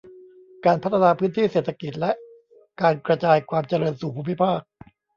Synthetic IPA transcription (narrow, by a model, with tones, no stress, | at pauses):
kaː˧npʰa˦˥t̪ʰːa˧naː˧pʰɯː˦˥nt̪ʰiː˥˩seː˨˩t̪ʰa˧ki˨˩t̪̚lɛ˦ʔ | kaː˧nkɾa˧t͡ɕaː˧jkʰwaː˧mt͡ɕa˧ɾɤː˧nsuː˨˩pʰuː˥˩mi˦˥pʰaː˥˩k̚